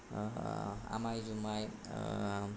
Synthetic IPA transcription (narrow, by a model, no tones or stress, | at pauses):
a̰majzumaj